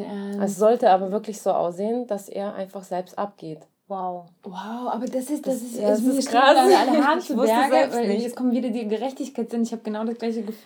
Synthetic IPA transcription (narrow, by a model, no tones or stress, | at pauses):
ɛsz̥ɔltəaːbɐvɪɐklɪçz̥oːʔa̰ʊsz̥eːənd̥asʔḛːɐʔa̰ɪnfaχz̥ɛlpstʔa̰p̚ɡ̥eːt | waʊ | waʊʔaːbɐdasɪsd̥as̬ɪssɪɡʁaːaalhantvʊɛɡəɛvaɪjɛt͡skɔmnviːdɐdiːɡəʁɛçtɪçkʰaɪtz̥ɪntɪçhaːbəɡ̥ənaʊɾasɡ̥laɪçəɡəf